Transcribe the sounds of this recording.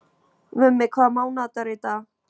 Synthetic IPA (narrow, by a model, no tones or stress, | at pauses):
vʏmːɪkʰvaːðmaːwnaːt̪aɾɪt̪a